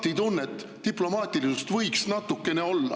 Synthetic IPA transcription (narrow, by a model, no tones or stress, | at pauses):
t̪ːit̪unːet̪ːiplo̞mɑːt̪ʲːˑilisust̪vɤjksnɑt̪ːˑukːe̞ne̞o̞lːɑ̰